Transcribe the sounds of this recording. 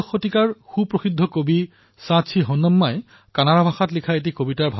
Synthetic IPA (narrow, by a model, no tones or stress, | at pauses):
xːotikaɹxupɹoxidʱɔkobi | sãsʰiɦɔnːɔmːaj | kanaɹabʱaxatlikʰaet̬ikobitaɹbʱa